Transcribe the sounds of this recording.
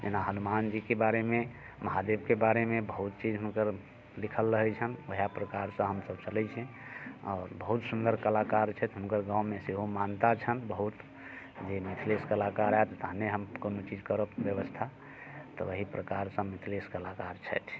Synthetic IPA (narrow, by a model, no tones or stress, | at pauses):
d͡ʒenaɦənumand͡ʒikebaɾeme | məɦad̪ebkebaɾemebəɦut̪t͡ʃid͡ʒɦunkəɾ | likʰəlːəɦɛt͡ʃʰənʋəɦijapɾəkaɾsə̃ɦəmsəb̚t͡ʃəlɛt͡ʃʰɛ̃ɔːɾbəɦut̪sund̪əɾkəlakaɾt͡ʃʰɛt̪ɦunkəɾɡãwmeseɦomant̪at͡ʃʰənbəɦut̪ | d͡ʒemit̪ʰleskəlakaɾaet̪ɔt̪əɦneɦəmkonot͡ʃid͡ʒkəɾəpbjəβəst̪ʰa | t̪ɔʋəɦipɾəkaɾsə̃mit̪ʰleskəlakaɾt͡ʃʰɛjt̪ʰ